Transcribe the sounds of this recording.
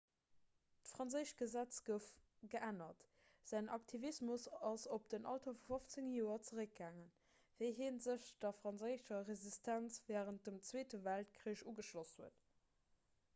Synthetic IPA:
tfʁɑnt͡səɪʃɡ̥əzæt͡sɡəf | ɡəʔænɐt | z̥æɪnʔɑktʰivismusɑsop̚d̥ənʔɑ̰ltɐfufoft͡səŋjoːɐt͡səʁək̚ɡaːŋən | veɪɦeːnzəɕd̥ɐfʁɑnzəɪʃɐʁezistʰænt͡svɛːʁənt̚dəmt͡sweːtəvæltkʰʁiəʃuːɡəʃloshuət

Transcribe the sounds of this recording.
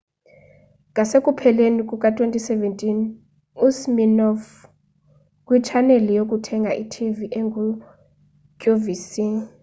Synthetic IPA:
ŋʱasekʼupʰɛlenikʼukʼatʼwentʼisɛvɛntʼin | usminɔf | kʼwit͡ʃʰanelijok̬ʼutʰɛŋɡʱaʔitʰiviʔɛŋɡʱu | kʼovisi

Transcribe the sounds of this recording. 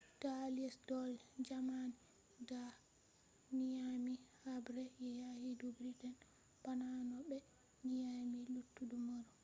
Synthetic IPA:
d̥aliɛsdɔld͡ʒaman | ɡa | nijamihabɾɛjɛjahidubɾidɛn | b̥ananɔbɛ | nijamilutːudumaɾɔ

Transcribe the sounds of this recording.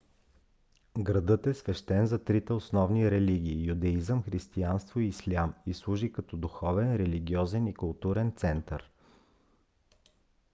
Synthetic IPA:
ɡɾɐd̪ɤt̪ɛsvɛʃt̪ɛnzɐt̪ɾit̪ɛosnɔvniɾɛliɡ̟ʲiːjud̪ɛizəmxɾist̪ianst̪voiːslʲamislˠuʒikɐt̪ɔd̪uxɔvɛnɾɛliɡʲiɔzɛnikʊlˠt̪uɾɛnt̪sɛnt̪əɾ

